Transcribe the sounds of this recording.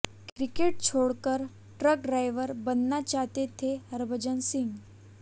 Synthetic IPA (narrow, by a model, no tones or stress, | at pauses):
kɾikeʈ̚t͡ɕʰoɽkəɾ | ʈɾək̚ɖɾajʋəɾbənːat͡ɕat̪et̪ʰehəɾbʱəd͡ʑənsiŋɡ